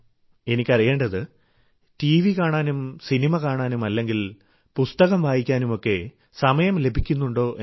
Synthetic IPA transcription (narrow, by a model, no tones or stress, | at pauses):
e̞nikʲːɐrije̞ːɳɖɐðɨ | tiːʋikaːɳaːnumsinimɐkaːɳaːnumɐlːe̞ŋɡil | pust̪ɐɣɐmʋaːjikʲːaːnumo̞kːe̞ | sɐmɐjɐmle̞bʱikʲːunːuɳɖo̞ːʔe